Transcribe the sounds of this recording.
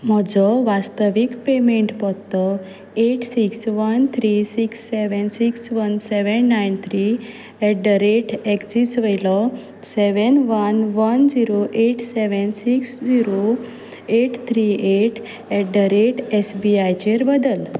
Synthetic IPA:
m̤ɔd͡zɔʋast̪əʋikpemeɳʈpɔt̪ɔ | eʈsiksʋənt̪ʰɾisiksːeʋənsiksʋənsɛʋənːajnt̪ʰɾi | ɛɖəɾeʈekt͡ɕit͡sʋəjlɔ | sɛʋənʋənʋənd͡ziɾoʔeʈseʋənsiksd͡ʑiɾo | eʈt̪ʰɾieʈ | ɛɖəɾeʈɛsbiajt͡ɕeɾbəd̪əl

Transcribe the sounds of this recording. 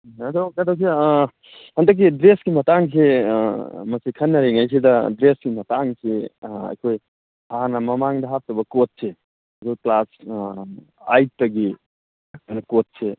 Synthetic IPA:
ɐdokadok̚s̬e | hɐndɐk̬ːidɾesɡimɐtaŋs̬e | mɐsikʰɐnːɐɾeŋajs̬idɐdɾesɡimɐtaŋseɐ̰jkʰoj | ɐɦanɐmɐmaŋdɐɦap̚tɐbɐkot̚se | ɐdoklas | a̰j̚tɐɡi | anɐkot̚se

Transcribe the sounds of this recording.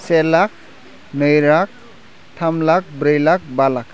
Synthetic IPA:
selak̚ | nɯjɾak̚ | tʰamlak̚bɾɯjlak̚balak

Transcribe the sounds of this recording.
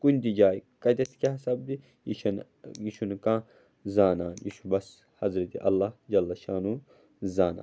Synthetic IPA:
kunʲd̪id͡ʒaːjikɐd̪ʲɐt̪keɦɐsɐb̚d̪i | jiʃɐn | jiʃʰunkãː | zaːnaːjiʃubɐs | hɐzɾɐt̪iʔɐlːaːhd͡ʒɐlːɐʃaːnu | zaːna̰ː

